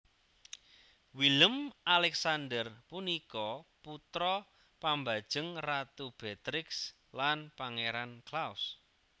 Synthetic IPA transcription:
wiləmʔalɛksandərpunikɔput̪ɾɔ | pambad̥ʒ̥əŋrat̪ub̥et̪ɾɪks | lanpaŋeɾanklaws

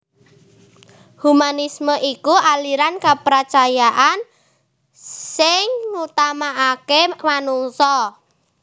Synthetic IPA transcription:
humanisməʔikualiɾankapɾat͡ʃajaʔan | sɪŋŋut̪amaʔakemanuŋsɔ

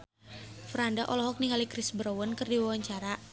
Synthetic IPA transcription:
fɾandaʔɔlɔɦɔk̚niŋɡalikɾɪsbɾowənkɨrdiwawaɲt͡ʃaɾa

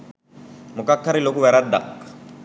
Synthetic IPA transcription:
mukakːaɾilok̬uβɛɾad̪akː

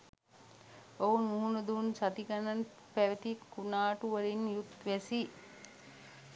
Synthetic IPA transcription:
ounmuɦunɐd̪uːnsat̪iɡɐnɐn | pæʋet̪ikunaːʈuʋɐɾinjut̪ʋesi

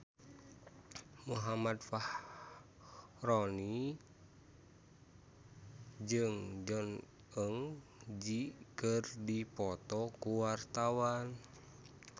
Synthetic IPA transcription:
muɦamadfah | rɔni | d͡ʒɨŋd͡ʒɔn | əŋd͡ʒikɨrdipɔt̪ɔkuwart̪awan

